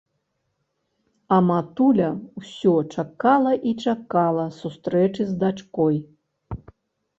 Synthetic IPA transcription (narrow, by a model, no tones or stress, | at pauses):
ɐmat̪ulʲɐwsʲɔt͡ʂakalˠɐʔit͡ʂakalˠɐsust̪ɾɛt͡ʂɨzd̪at͡ʂkɔj